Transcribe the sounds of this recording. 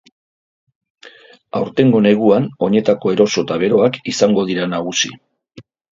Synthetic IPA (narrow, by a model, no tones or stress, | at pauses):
awɾt̪e̞ŋɡo̞ne̞ɣ̞uano̞ɲe̞t̪ako̞e̞ɾo̞so̞t̪aβ̞e̞ɾo̞akisaŋɡo̞ð̞iɾanaɣ̞usi